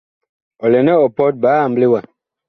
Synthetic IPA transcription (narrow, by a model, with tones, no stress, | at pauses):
ɔ˨lɛ˨nɛ˦ɔ˨pɔ˦t̚baː˨˦a˨mble˦wa˨